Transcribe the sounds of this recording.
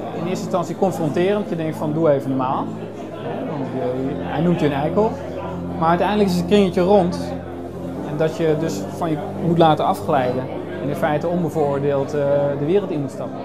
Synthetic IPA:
ɪnɪːəstɪnstɑnsiəkɔnfrɔntɪːrəndjədɛŋk̚tfɔnduəeːvənəmaːlˠ | ɦɛʋɔntjəɛjnumtjəənɛjkəl | marœɥtɛjndələkɪs̬krɪŋətjəront | ɛndɔtjədøs | fɔnjə | mutlaːtəɑfxlɛjdə | ɛnɪ̃nfɛjtəonbəvʊːrdeːlˠtdəʋɪːrəlˠtinmutstɑpə

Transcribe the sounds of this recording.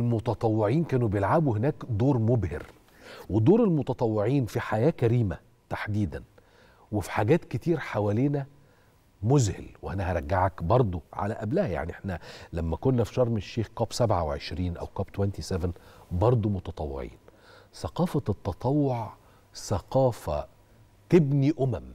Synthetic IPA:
elmot̪ɑt̪ˤɑwːeʕiːnkæːnubejelʕabuwhenæːkd̪oːɾmobhɪ̰ɾ | wed̪oːɾelmot̪ɑt̪ˤɑwːeʕiːnfiħajæːkæɾiːmæ | t̪aħd̪iːd̪æn | wefi̥ħaɡæːt̪ket̪iːɾħawæleːnæ | mʊzhɪ̰lweʔænæhæɾˤæɡːaʕakbɑɾˤd̪ˤoʕa̰læʔæblæhæja̰ʕniʔeħnælæmːækonːæfi̥ʃɑɾˤmeʃːeːxkɑːbsæbʕaweʕḛʃɾiːnʔæ̰wkɑːbt̪wænt̪isevenbɑɾˤd̪ˤomot̪ɑt̪ˤɑwːḛʕḭːn | sɑqɑːfæt̪ːɑt̪ˤɑwːoʕ | sæqɑːfæ | t̪eɪbniʔʊmæm

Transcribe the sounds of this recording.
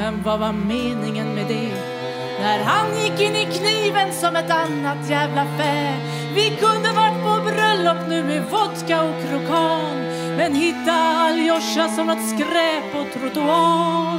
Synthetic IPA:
ɛmvavameːnɪŋənmɛd̪ɛ | næɾɦanjɪkːɪnːɪkʰniːvənsɔmɛt̪anːat̪jæːvlafɛːl | vɪkʰɵnd̪əvaʈːpʰɔbɾœlːɔpːnʉ̟ːmevɔt̪kaɔkʰɾʊkʰɑːn | mɛnɦɪt̪ːaːljɔʂasɔmɔt̪skɾɛːpɔt̪ʰɾʊt̪ʊɑː

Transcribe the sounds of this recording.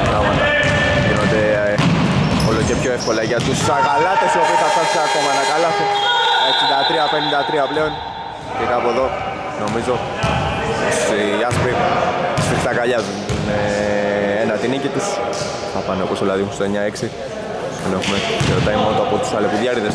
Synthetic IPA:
pɾɐɣmɐt̪ɐ | ðinot̪e | olocepçoefko̞lɐʝɐt̪usɐkɐlɐt̪esopiθɐpɐsiakomɐnɐkɐlɐseesid̪ɐt̪ɾiɐpenind̪ɐt̪ɾiɐpleo̞n | piɾɐːpoðo̞ | no̞mizo̞ | osiɐspiɣspikst̪ɐkaʎɐz | ne | enɐt̪inicit̪is | θɐpɐneoposðilɐðimuseɲɐeksi | enexumeçeɾot̪ɐimonot̪oapot̪u̥sɐlepuðʝɐɾiðes

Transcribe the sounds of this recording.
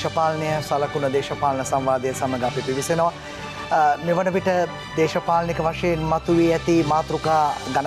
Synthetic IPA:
ɐpaːlɐnejəsalɐkunəd̪eːʃɐpaːlɐnəsamʋaːd̪ejɐsaməɡəapipiʋisenəʋa | meʋɐnəʋiʈə | d̪eːʃɐpaːlɐnikəʋaʂɐjenmɐt̪uʋiɛt̪imaːt̪ɾukaːɡɐn

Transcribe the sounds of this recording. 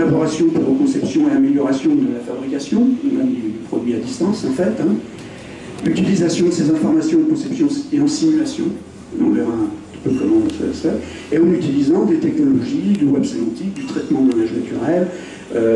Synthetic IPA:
labɔʁasjɔ̃puʁokɔ̃sɛpsjɔ̃eameljɔʁasjɔ̃d̪əlafabʁikasjɔ̃d̪yd̪ypχɔd̪ɥiad̪ist̪ɑ̃sɑ̃fɛt̪ɛ̃ | yt̪ilizasjɔ̃d̪əsezɛ̃fɔʁmasjɔ̃ɑ̃kɔ̃sɛpsjɔ̃eɑ̃simylasjɔ̰̃ | ɔ̃vɛʁaɛ̃t̪i̥pøkɔmɑ̃sə̰sɛ | eɑ̃nyt̪ilizɑ̃d̪et̪ɛknɔlɔʒid̪əwɛbsemɑ̃t̪ik̚d̪yt̪χɛt̪mɑ̃manaʒnat̪yʁɛl | ø

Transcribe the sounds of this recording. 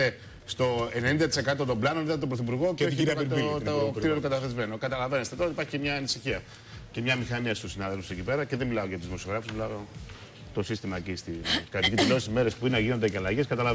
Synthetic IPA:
e | st̪o̞enenind̪ɐt̪i̥se̞kɐt̪o̞t̪o̞blɐnoniðɐt̪obɾoθipuɾɣo̞oç̪ok̪iɾot̪okɐt̪ɐezme̞no̞kɐt̪ɐlɐve̞nest̪et̪ooipɐɾçicemɲɐːnisiçiɐ | cemɲɐmixɐniɐst̪usinɐðelfu̥se̞cipe̞ɾɐce̞ðemilɐoʝɐt̪uzmosioɣɾɐfuszmilɐo | t̪o̞sist̪imɐcist̪ikɐp̪icit̪ilosizmeɾe̞spuinɐʝinod̪eceɐlɐʝeskɐt̪ɐlɐ

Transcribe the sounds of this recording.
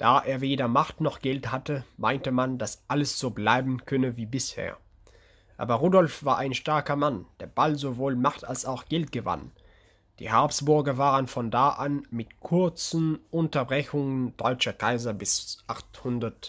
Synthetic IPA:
d̥aːʔeːɐveːdɐmaχtnɔχɡ̥ɛlthatəmaɪntəmandasʔaləsz̥oːblaɪbm̩kʰœnəviːbɪshḛːɐ | ʔa̰ːbɐʁuːdɔlfv̥aːɐʔaɪnʃtaɐkɐmand̥eːɐbalzovoːlmaχtalsaʊxɡ̥ɛltɡ̥əva̰n | d̥ḭːhaɐpsb̥ʊɐɡɐvaːʁənfɔndaːʔanmɪtkʰʊɐt͡sn̩ʊntɐbʁɛçʊŋənd̥ɔʏt͡ʃɐkʰaɪzɐbɪsʔaχthʊndɐt

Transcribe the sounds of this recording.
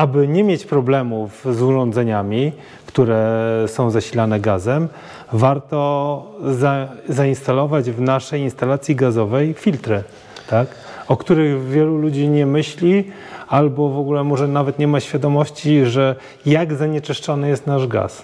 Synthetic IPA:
abɘɲɛmʲjet͡ɕpɾɔblɛmufzuʐɔ̃nd̪zɛɲamʲi | kt̪uɾɛsɔ̃w̃zaɕilanɛɡazɛm | vaɾt̪ɔ | zazainst̪alɔvad͡ʑvnaʂɛjinst̪alat̪sʲjiɡazɔvɛjfʲilt̪ɾɘ | t̪ak | ɔkt̪uɾɘɣvʲjɛlulud͡ʑiɲɛmɘɕlʲi | albɔvɔɡulɛmɔʐɛnavɛt̪ɲɛmaɕfʲjad̪ɔmɔɕt͡ɕiʐɛ | jaɡzaɲɛt͡ʂɘʂt͡ʂɔnɘjɛst̪naʐɡa̰s

